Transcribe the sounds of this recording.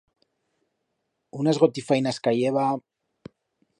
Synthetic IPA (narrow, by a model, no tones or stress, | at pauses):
unazɣot̪ifajnaskajeβa